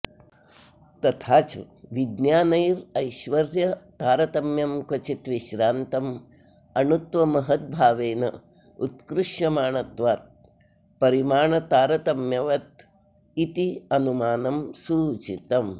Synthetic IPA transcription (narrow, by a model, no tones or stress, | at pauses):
t̪ɐt̪ʰaːt͡ʃʋid̪njaːnɐjɾɐjʃʋɐɾjɐt̪aːɾɐt̪ɐmjɐmkɐt͡ʃit̪ʋiʃɾaːnt̪ɐm | ɐnut̪ʋɐmɐɦɐt̪̚bʱaːʋeːnɐ̰ | ut̪kɾuʃjɐmaːɳɐt̪ʋaːt̪̚ | pɐɾimaːɳɐt̪aːɾɐt̪ɐmjɐʋɐt̪̚ | it̪iɐnumaːnɐmsuːt͡ʃit̪ɐm